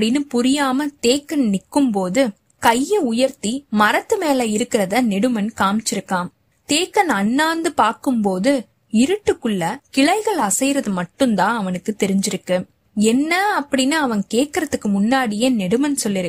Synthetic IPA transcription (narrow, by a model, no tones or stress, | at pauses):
ɽɪnːɯpʊɾɪjaːmɐt̪eːkːɐnnɪkːɯmpoːðɯ | kɐjːɐʊjɐɾt̪imɐɾɐt̪ːɯmeːlɐɪɾɯkːɪɾɐðɐnɛɽɯmɐnkaːmt͡ʃːɪɾɯkːaːm | t̪eːkɐnɐnːaːnd̪ɯpaːɾkɯmpoːðɯ | ɪɾɯʈːɯkːɯɭːɐkɪɭɐɪɣɐɭɐsɐɪjɾɐðɯmɐʈːɯnt̪ãːɐʋɐnɯkːɯt̪ɛɾɪɲd͡ʒɪɾɯkːɯ | ɛnːɐɐpːɐɽɪnːɯɐʋɐnkeːʈ̚kɪɾɐðɯkːɯmʊnːaːɽɪjeːnɛɽɯmɐnsɔlːɪɾɯ